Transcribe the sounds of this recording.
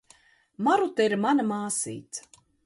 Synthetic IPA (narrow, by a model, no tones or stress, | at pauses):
maɾut̪aiɾmanamaːsḭːt̪s